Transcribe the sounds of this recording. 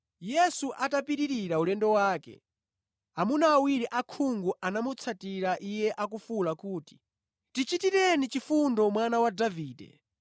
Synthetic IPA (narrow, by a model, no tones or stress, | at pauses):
jɛsuʔatapiɾiɾiɾaulɛndɔwaːkɛ̰ | amunaːwiɾiʔakʰuŋɡuʔanamut͡sʰatiɾaʔijɛʔak̬ufulakuːti̥ | tit͡ʃitiɾɛnit͡ʃifundɔmwanawadaviːdɛ̰